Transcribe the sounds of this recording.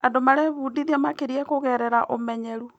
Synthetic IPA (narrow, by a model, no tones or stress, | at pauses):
adomaɾɛβudiðiamakeɾiɛkoɣɛɾɛɾaʔomɛɲɛɾu